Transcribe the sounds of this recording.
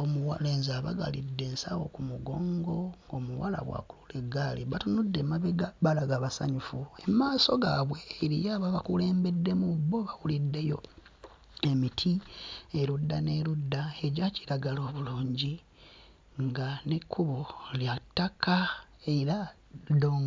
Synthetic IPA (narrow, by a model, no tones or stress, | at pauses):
omuwaleːnzaβa̰ɡa̰lidːe̞ːnsawo̞kumuɡo̞ːŋɡo̞ŋɡo̞ːmuwala̰βwa̰kululeɡaliβatunudːe̞maβeɡabalaɡaβasa̰ɲufue̞maːso̞ɡaβwe̞ːɾijaβaβakule̞ːmbe̞dːe̞mubːo̞βawulidːe̞jo̞ | e̞mitʰie̞ɾudːane̞ludːaeɟaci̥ɾaɡalo̞ːβuluːɲɟi | ŋɡanekʰːuβoljatːakaeɾa | doːŋɡ